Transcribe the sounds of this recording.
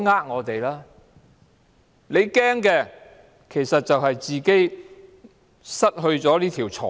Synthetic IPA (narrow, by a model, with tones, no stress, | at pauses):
ŋaː˥k̚ŋɔː˨˧t̪e˨jlaː˥ | le˨˧jkɛː˥ŋkɛː˧ | kʰe˨˩jsɐ˨t̚t͡sɐ˨whɐ˨jt͡siː˨ke˥j | sɐ˥t̚ɦɵ˧ɥt͡sɔː˨˥liː˥t̪ʰiː˨˩wt͡sʰɔ̰ː˨